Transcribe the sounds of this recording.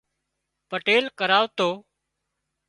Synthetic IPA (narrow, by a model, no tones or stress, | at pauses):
pəʈeːlkəɾaːʋt̪oː